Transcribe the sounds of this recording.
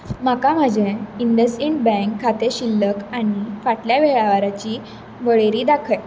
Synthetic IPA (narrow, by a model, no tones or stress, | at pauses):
makam̤əd͡ʑeiɳɖəseɳʈ̚bɛ̃ŋkʰːat̪eɕilːəkaɽ̃ifaʈljaʋeɭaʋaɾat͡ɕiː | ʋəɭeɾiːd̪akʰəj